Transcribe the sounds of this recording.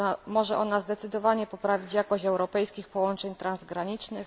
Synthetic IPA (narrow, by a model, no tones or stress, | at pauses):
mɔʐɛʔɔnazd̪ɛt̪sɘd̪ɔvaɲɛpɔpɾavʲit͡ɕjakɔɕɛwɾɔpɛjskʲixpɔwɔnt͡ʂɛɲt̪ɾanzɡɾaɲit͡ʂnɘx